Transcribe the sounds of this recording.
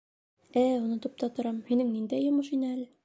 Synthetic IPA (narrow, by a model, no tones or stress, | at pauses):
æunɤ̆t̪ɤp̚t̪ɑt̪ŏɾɑmhinɘŋnind̪æjomɤʃinɘæl